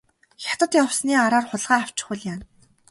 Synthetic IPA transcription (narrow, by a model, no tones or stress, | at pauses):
xʲjat̪ə̆t̪jawsniːaɾaːrχʊɮʁaːaw̥t͡ɕɪ̥̆χʊ̆ɮjaːn